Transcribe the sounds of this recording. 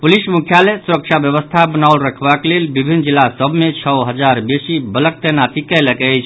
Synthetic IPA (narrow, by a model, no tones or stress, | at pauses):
pulismukʰjalesuɾək̚t͡ʃʰabjəbəst̪ʰabənaulɾəkʰbaklelbibʱinːd͡ʒilːasəbʱmet͡ʃʰəwɦəd͡ʒaɾbesibələk̚t̪ənat̪ikɛləkəjt͡ʃʰ